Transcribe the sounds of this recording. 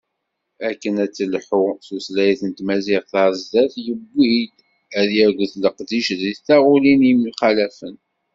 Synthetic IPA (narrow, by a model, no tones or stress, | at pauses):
ækːənæt͡sːəlħuθuslæjθənt̪mæziʁθɑɾzːæθjəbːid̪ | æðjæɾɡəθləqd̪iʃðitːæʁulinimuχælæfən